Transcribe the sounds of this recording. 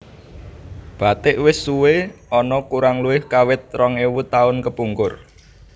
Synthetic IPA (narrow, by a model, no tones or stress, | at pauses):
b̥a̤t̪ɪʔwɪsːuweɔnɔkuɾaŋluɪhkawɪt̪̚rɔŋiwut̪aʊnkəpuŋkʊr